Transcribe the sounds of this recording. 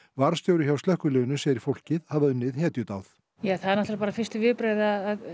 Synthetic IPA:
vaɾ̥st̪jowɾɪçawsœhkʏlɛːɣʏnʏsɛjɾɪɾ̥fowl̥cɪðhavaðʏnːɪðɦɛːt̪jʏt̪awθ | jaːθaðɾnaht̪aɾpaːɾafɪr̥st̪ɪvɪpɾaːjðaðað

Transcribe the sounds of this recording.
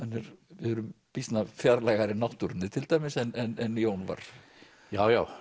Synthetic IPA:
hanːɛɾ̥vɪhœːɾʏm | pist̪nafjaɾlajɣaɾɪnawht̪uɾɪnːɪt̪ʰɪlt̪aːjmɪsɛnɛnɛnjoːwnva̰ɾ̥ | jaːwjaːw

